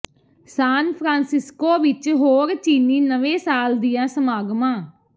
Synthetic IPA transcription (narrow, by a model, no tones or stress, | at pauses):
saːnpʰɾãːnsɪskoːʋɪt͡ʃɦoːɾt͡ʃiːniːnəʋẽːsaːld̪ijãːsəmaːɡmãː